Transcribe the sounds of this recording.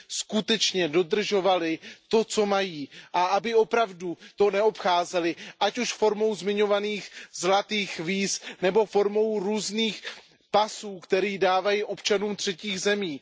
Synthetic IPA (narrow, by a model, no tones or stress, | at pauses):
skut̪ɛt͡ʃɲɛdo̞d̪r̩ʒo̞valɪt̪o̞t͡so̞majiːʔaʔabɪo̞pɾavdut̪o̞nɛo̞pxaːzɛlɪʔacuʃfo̞ɾmo̞wzmɪɲo̞vaniːxzlat̪iːxviːsnɛbo̞fo̞ɾmo̞wɾuːzniːx | pasuːkt̪ɛɾiːdaːvajiʔo̞pt͡ʃanuːmt̪r̥ɛciːɣzɛmiː